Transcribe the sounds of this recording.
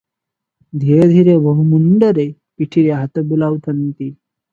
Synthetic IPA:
d̪ʱiɾed̪ʱiɾebəɦumuɳɖəɾe | piʈʰiɾeɦat̪əbulawt̪ʰənt̪iː

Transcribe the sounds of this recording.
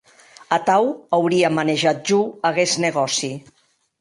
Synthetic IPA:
ət̪awawɾiamaneʒat̪̚ʒuəɣeznəɣ̞ɔsi

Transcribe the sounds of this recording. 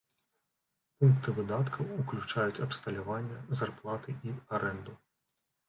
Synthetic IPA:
punkt̪ɨvɨd̪at̪kʰɐwuklʲut͡ʂajut͡sʲɐpst̪ɐlʲavanʲːɐzarplˠat̪ɨʔiaɾɛnd̪u

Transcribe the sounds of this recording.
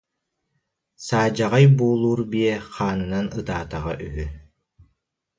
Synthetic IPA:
saːd͡ʑaʁajbuːlˠuːɾbiɛχaːnɯnanɯt̪aːt̪aʁa̰ʔyɦy

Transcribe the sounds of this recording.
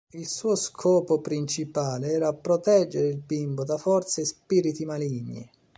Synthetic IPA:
ilsuːoskʰɔːpopɾint͡ʃipaːleɛːɾaːpːɾɔt̪ɛd͡ʒːeɾɪilbimbʊd̪afɔrt̪sespiːɾit̪imaliɲːḭ

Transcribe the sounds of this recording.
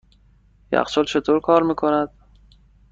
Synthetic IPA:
jæ̰qsolt͡ʃʰet̪ʰoɾkʰɒːɾmiːkʰonæd̪̥̚

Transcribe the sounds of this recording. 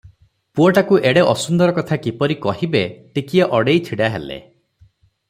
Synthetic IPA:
puɔʈakuʔeɽeʔɔsund̪ɔɾɔkɔt̪ʰakipɔɾikɔhibeʈikijɔʔɔɽejt͡ʃʰiɽaɦḛlḛ

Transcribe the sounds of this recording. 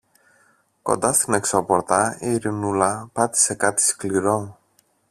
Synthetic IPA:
ko̞̰nd̪ɐst̪ine̞ksopo̞ɾt̪ɐiɾinulɐpɐt̪i̥se̞kɐt̪i̥skliɾo̞

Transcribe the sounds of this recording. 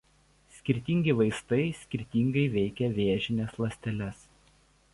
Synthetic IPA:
sʲkʲɪɾʲt̪ʲiŋʲɡʲɪʋɐɪst̪ɐɪsʲkʲɪɾʲt̪ʲiŋɡɐɪʋʲɛɪkʲɛʋʲeːʒʲɪnʲeslˠɐsʲt̪ʲɛlʲɛs

